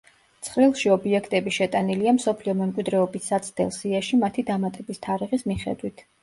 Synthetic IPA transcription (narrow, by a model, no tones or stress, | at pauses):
t̪sʰχɾilˠʃiɔbiɛkʰt̪ʼɛbiʃɛt̪ʼaniliamsɔpʰliɔmɛmkʼwid̪ɾɛɔbisːat̪sʰd̪ɛ̰lˠsiaʃimat̪ʰid̪amat̪ʼɛbist̪ʰaɾiʁismiχɛ̰d̪wit̪ʰ